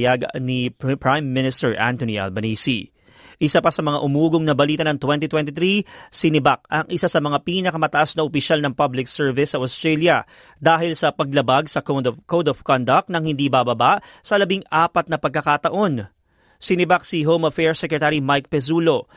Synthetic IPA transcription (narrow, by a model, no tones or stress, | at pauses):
jaɡnipɹajmːɪnɪst̪ɛɹʔa̰nt̪oniʔɐ̰lbɐniːsi | ʔɪsapɐsɐmɐŋaʔʊmuːɡoŋnɐbɐliːt̪ɐnɐŋt̪wɛnt̪it̪wɛnt̪it̪ɾisɪnɪbak̚ʔɐŋʔɪsasɐmɐŋapiːnɐkɐmɐt̪ɐʔasnɐʔopɪʃalnɐŋpɐblɪksɛɹvɪsːɐʔost̪ɹɛljɐ | d̪aːɦɪlsɐpɐɡ̚lɐbaɡsɐk̪kowd̪ɐv̥kɔnd̪ɐk̚t̪nɐŋhɪnd̪ibabɐbaʔsɐlɐbiŋaːpɐt̪̚nɐpɐɡ̚kːɐkaːt̪ɐʔo̞n | sɪnɪbaksiɦowmɐfɛɹsɛkɹɛt̪aɾimajk̚pɛsuːlo̞